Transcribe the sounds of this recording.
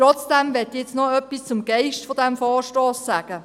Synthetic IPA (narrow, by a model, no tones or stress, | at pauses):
ɾɔt͡sd̥ɛmʋɛt̪jɛt͡snoœpːist͡sʊmɡ̥ɛɪʃtfodɛmfɔːʃtoːsːæːɡ̥ə